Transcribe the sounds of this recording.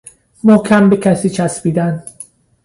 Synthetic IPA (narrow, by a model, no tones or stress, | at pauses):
mokʰæmbecʲʰæsiːt͡ʃʰæsbiːd̪æn